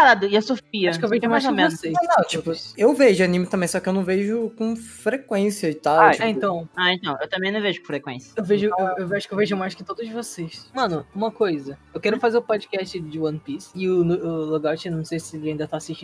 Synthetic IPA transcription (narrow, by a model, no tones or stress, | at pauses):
kaɾad̪ʊiasofiaɐʃʊkewveẽmajszõmẽvoʊsejnɐ̃w̃t͡ʃipʊewveʒʊanĩmɪt̪ɐ̃mbẽj̃sɔkɪewnɐ̃w̃veʒʊkõfɾekwẽsiɐit̪aiɛẽnt̪ɐ̃w̃aẽnt̪ɐ̃w̃ewt̪ɐ̃mẽj̃nɐ̃w̃veʒʊ̥kõfɾekwḛ̃siɐewveʒʊewewvaʃʊkewveʒʊemajskɪt̪od̪ʊzd͡ʒɪvosesmɐ̃nʊũmɐkojzɐewkɛɾʊfazeɾʊpɔd͡ʒikɛst͡ʃɪd͡ʒɪwɐ̃npisɪʊnʊʊloɡɔt͡ʃɪnɐ̃w̃sejsɪelɪɐĩd̪ɐt̪asiʃt͡ʃĩ